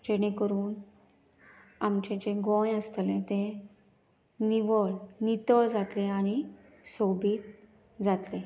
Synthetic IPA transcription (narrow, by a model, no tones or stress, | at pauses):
d͡ʑeɽ̃ẽkəɾuːn | amt͡ɕẽt͡ɕẽɡõjəst̪lẽt̪ẽ | niʋəɭnit̪əɭd͡zat̪leañi | sobʱiːt̪ | d͡zat̪le